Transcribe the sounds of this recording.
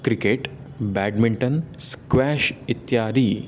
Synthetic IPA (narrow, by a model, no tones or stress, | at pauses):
kɾikeʈ | bæɖmiɳʈənskʋæʃit̪jaːɾiː